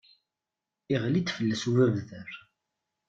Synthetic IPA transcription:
iʁlid̪fəlːæsuvævðəɾ

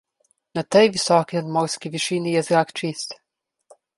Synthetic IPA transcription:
nat̪ɛjʋisɔkinad̪mɔɾskiʋiʃiːnijɛzɾakt͡ʃist̪

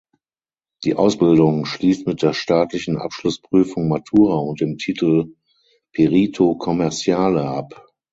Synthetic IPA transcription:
d̥ḭːʔaʊsb̥ɪldʊŋʃliːstmɪt̚d̥eːɐʃtaːtlɪçn̩ʔa̰pʃlʊspʁ̥yːfʊŋmatʰuːʁaʊnt̚d̥eːmtʰiːtl̩ | pʰeʁiːtʰokʰɔmɛɐt͡sjaːləʔap

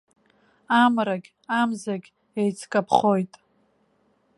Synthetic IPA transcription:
amraɡʲ | amzaɡʲ | ejt͡sʰkʼapʰχo̞jtʼ

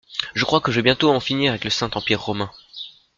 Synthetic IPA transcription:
ʒəkχwakəʒebjɛ̃t̪oɑ̃finiʁavɛkləsɛ̃t̪ɑ̃piʁːɔmɛ̃

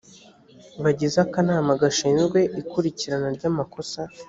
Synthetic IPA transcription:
βaɟezakanaːmaɡaʃiːnzɡwe̞ʔikuɾiciɾanaɾɟamako̞sa

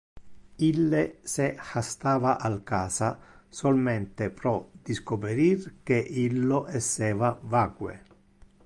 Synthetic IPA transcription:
ilːesexast̪aːvaʔalkaːsasolment̪epɾɔd̪̥iskopeɾirkeʔilːoʔɛsːɛːvavaːkwḛ

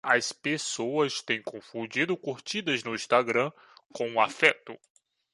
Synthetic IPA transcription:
ɐspesowɐst̪ẽj̃kõfũd͡ʒid̪ʊkuɾt͡ʃid̪ɐznʊĩst̪aɡɾɐ̃ | kõw̃ʊafɛt̪ʊ

